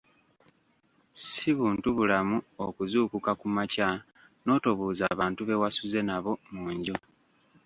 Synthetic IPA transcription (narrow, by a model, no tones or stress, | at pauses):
siβuːntuβulamuo̞kuzuːkukakumaca | no̞ːtoβuːza̰ːβaːntuβe̞wasuze̞naβo̞muːɲɟo